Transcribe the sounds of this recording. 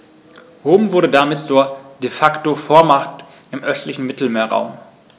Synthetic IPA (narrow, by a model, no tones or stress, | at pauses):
ʁoːmvʊɐɾədamɪtt͡suːɐd̥efaktofoːɐmaχt | ʔɪmʔœstlɪçn̩mɪtl̩meːɐʁa̰ʊm